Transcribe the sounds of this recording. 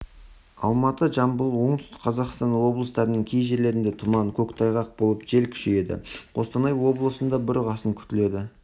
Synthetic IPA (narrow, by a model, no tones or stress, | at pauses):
ɑ̰lˠmɑt̪əʒɑmbəlˠwo̞ɴt̪ʏ̥st̪ɪ̥kqʰɑzɑqst̪ɑnwo̞blˠəst̪ɑɾənəɴkʲʰejʒe̞ɾle̞ɾɪnd̪et̪ʰʊmɑŋkʲʰɵkt̪ʰɑjʁɑq̚bo̞lˠəpʒe̞lkʲʰʏ̥ʃeje̞d̪ɪ̰qo̞st̪ɑnɑjwo̞blˠəsənd̪ɑbɪɾʁɑsəŋkʲʰʏ̥t̪ɪle̞d̪ɪ